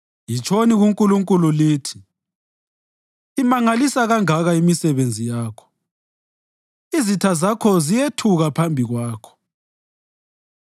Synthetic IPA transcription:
jit͡ʃʼʰoniɣuŋkʼuluŋkʼululiːtʰi̥ | imaŋalisaɣaŋaɣaimisɛβend͡zʱijaːkʰɔ̥ | izitʰazakʰɔzijetʰuɣapʰambʱiɣwaːkʰɔ̥

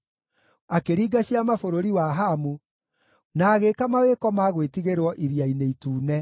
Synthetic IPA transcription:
akeɾiːɡaɕiamafoɾoɾiwaɦamu | naːɣekamawekɔmaɣwetiɣeɾwɔʔiɾiaineituːnɛ

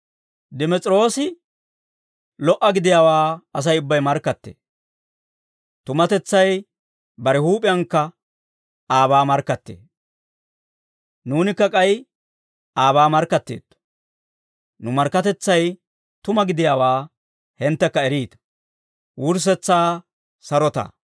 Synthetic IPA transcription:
d̪ɪmɛt͡sʼɾo̞ːsɪ | lɔʔːɐɡɪd̪ɪjaːwaːɐs̬ɐjʊbːɐjmɐɾkːɐt̪ːḛː | t̪ʊmɐt̪ɛt͡sːɐj | bɐɾɛhuːpʼɪjɐŋkːɐ | aːβaːmɐɾkːɐt̪ːḛː | nuːnɪkːɐkʼɐj | ʔaːβaːmɐɾkːɐt̪ːḛːd̪̥ | nʊmɐɾkːɐt̪ɛt͡sːɐj | t̪ʊmɐɡɪd̪ɪjaːwaː | hɛnt̪ːɛkːɐɛɾiːt̪ɐ̥ | wʊɾs̬ɛt͡sːaː | sɐɾɔt̪a̰

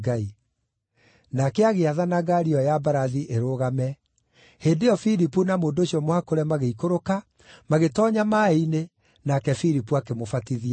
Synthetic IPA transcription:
ɡai | nakɛaɣeaðanaɡaɾiɔjabaɾaðiʔeɾoɣamɛ | heːndejɔfiɾipunamoːndoːɕiɔmwakoɾɛmaɣeikoɾoka | maɣetɔɲamaine | nakɛfiɾipuakemofatiðia

